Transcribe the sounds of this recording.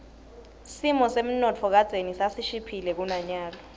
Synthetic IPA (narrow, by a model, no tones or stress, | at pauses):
simɔsem̩nɔt͡fʰɔk̬ad̥z̥ʱenisasiʃipʰilɛk̬unaɲaːlɔ